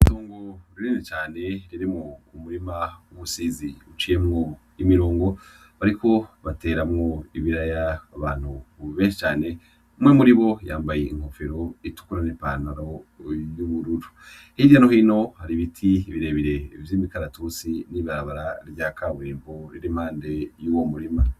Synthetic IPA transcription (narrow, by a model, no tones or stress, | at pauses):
toːŋɡoɾiɾinet͡ʃaːne̞ɾiɾimŋokumuɾimauβusiːziut͡ʃijemŋo | imiɾoːŋɡo̞ | βaɾikʰo̞βate̞ːɾamŋo̞iβiɾajaaβaːn̥uβeːnʃi̥t͡ʃaːne̞ | mŋemuɾiβo̞ja̰ːmbajeʔiŋho̞feɾo̞itu̥kuɾanempanaɾo̞juβuɾuɾu | hijano̞hiːno̞haɾiβitʰiβiɾe̞βiɾe̞ivjiːmikaɾatusiniβaɾaβaɾaɾɟaːkʰaβuɾiːmboɾiɾim̥haːnde̞juwomuɾima